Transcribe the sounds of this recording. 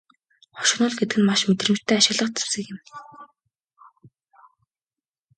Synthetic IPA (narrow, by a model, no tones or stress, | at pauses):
χɔ̥ʃɪ̆χnʊ̆ːɮɡet̪ɘ̆ɡɘ̆nmaʃmet̪rɘ̆mt̪ʰːæːaʃɪ̆ɣɮə̆qt͡se̥sɘ̆kɪ̆m